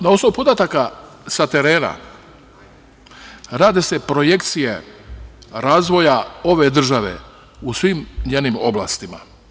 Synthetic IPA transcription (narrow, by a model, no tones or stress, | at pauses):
nao̞sno̞ʋupo̞d̪at̪akasat̪e̞ɾe̞ːna̰ | ɾaːd̪ese̞pɾo̞je̞kt̪sije̞ | ɾaːzʋo̞jao̞ʋe̞d̪r̩ʒaʋe̞̰ | usʋimɲeːnimo̞̰blˠa̰ːst̪ima̰